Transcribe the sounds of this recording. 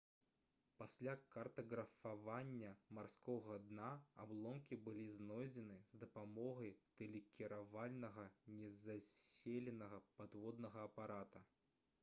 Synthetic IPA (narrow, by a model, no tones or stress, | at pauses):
pasʲlʲakɐrt̪ɐɣɾɐfavanʲːɐmarskɔɣɐd̪naa̰blˠɔmkʲibɨlʲiznɔjd͡zʲɛnɨzd̪ɐpamɔɣɐjt̪ɛlʲɛkʲiɾavalʲnɐɣɐnʲɛzasʲelʲɛnɐɣɐpad̪vɔd̪nɐɣɐːpaɾat̪ɐ